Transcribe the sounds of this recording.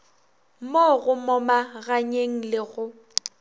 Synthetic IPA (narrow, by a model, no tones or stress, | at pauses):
moɣʊmɔmaɣaɲeŋ̩lɪɣʊ